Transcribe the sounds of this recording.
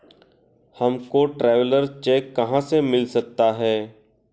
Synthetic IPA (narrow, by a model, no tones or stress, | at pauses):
hɐmkoʈɾɛːʋləɾt͡ʃɛːkːɐɦãsemɪlsɐk̚t̪aɦɛː